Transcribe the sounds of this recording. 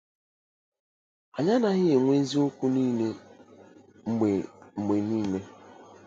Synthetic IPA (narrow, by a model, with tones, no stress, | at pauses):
a˨ɲa˦na˨ɣɪ˦ɣe˨ŋʷe˦zi˦o˦kʷu˦niː˦ne˦ | ŋ͡m̩˨ɡ͡be˨ŋ͡m̩˨ɡ͡be˨niː˦me˦